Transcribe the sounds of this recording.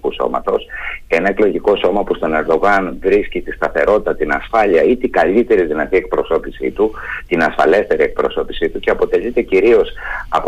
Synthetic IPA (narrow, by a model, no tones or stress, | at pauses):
uso̞̰mɐ̰t̪o̞se̞nɐe̞klo̞ʝiko̞so̞mɐpust̪o̞ne̞ɾd̪o̞ɣɐnvɾiscit̪ist̪ɐθe̞ɾo̞t̪it̪ɐt̪inɐsfɐʎiɐit̪iɡɐʎit̪e̞ɾiðinɐt̪ie̞k̚pɾo̞so̞pisḭt̪ut̪inɐsfɐ̰le̞st̪e̞ɾie̞k̚pɾo̞̰so̞pisit̪uce̞ɐpo̞t̪e̞ʎit̪e̞ciɾio̞sɐp